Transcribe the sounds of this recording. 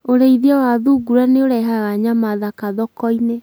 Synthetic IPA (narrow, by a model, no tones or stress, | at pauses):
oɾeiðiawaðuːɡuɾaneoɾɛɦaɣaɲamaðakaðɔkɔine